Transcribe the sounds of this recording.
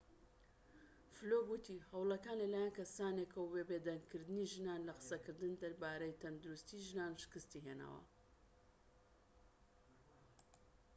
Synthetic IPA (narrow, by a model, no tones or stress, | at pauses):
floɡwut̪ʰihɐwlˠɐkaːnlɐlaːjankɐsaːnekʰɐwwebed̪ɐŋɡ̚kʰɨɾd̪ɨniʒɨnaːnlɐqɨ̥sɐkɨɾd̪ɨnd̪ɐɾbaːɾejt̪ʰɐnd̪uɾust̪iʒɨnaːnʃɨ̥kɨst̪iɦena̰ːwɐ̰